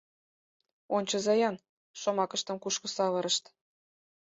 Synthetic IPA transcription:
onʲt͡ɕɤ̆zɑjɑn | ʃomɑkə̆ʃt̪ə̆mkuʃkɤ̆sɑβɤ̆ɾə̆ʃt̪

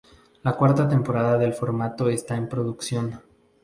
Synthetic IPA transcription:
lakwaɾt̪at̪empo̞ɾaðaðe̞lfo̞ɾmat̪o̞est̪aempɾo̞ðuksjo̞n

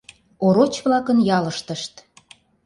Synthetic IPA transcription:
oɾot͡ɕβlɑkənjɑləʃt̪ə̆ʃt̪

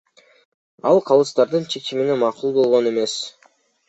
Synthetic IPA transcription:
ɑlˠqʰɑlˠɯst̪ɑɾd̪ɯnt͡ʃʰe̞kt͡ʃiminemɑqulˠbo̞lˠʁo̞ne̞me̞s

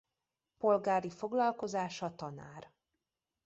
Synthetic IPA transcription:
po̞lɡaːɾifo̞ɡlɒlko̞zaːʃɒt̪ɒna̰ːr

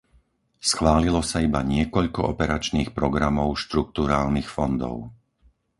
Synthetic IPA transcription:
sxʋaːlilɔsaibaɲɪɛkɔʎkɔɔpɛɾat͡ʃniːxpɾɔɡɾamɔʊʃt̪ɾuk̚t̪uɾaːlnixfɔnd̪ɔ̰ʊ

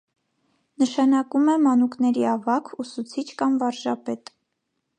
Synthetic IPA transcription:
nəʃɑnɑkumɛmɑnuknɛɾiɑvɑkʰusut͡sʰit͡ʃʰkɑmvɑɾʒɑpɛt̪

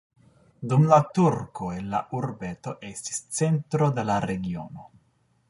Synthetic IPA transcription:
d̪umlat̪uɾkoenla̰ʔuɾbet̪oʔest̪i̥st̪t͡sent̪ɾod̪elaɾeɡio̰ːno

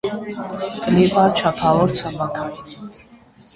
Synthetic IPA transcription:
kʼlivʼat͡ʃʰapʰalɔɾt͡sʰamakʰa

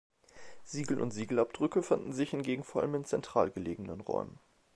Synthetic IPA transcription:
z̥iːɡl̩ʔʊ̰ntz̥iːɡl̩ʔap̚d̥ʁʏkəfandn̩zɪçhɪnɡeːɡŋ̩foːɐʔaləmɪnt͡sɛntʁ̥a̰ːlɡəleːɡŋ̩nənʁɔ̰ʏmən

